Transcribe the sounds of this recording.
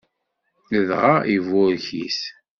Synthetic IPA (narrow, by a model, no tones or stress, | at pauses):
ləðʁaivʊɾçis